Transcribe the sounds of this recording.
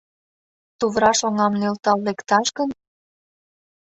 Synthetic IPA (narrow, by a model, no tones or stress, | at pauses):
t̪uβɾɑʃoŋɑmnølt̪ɑlːekt̪ɑʃkən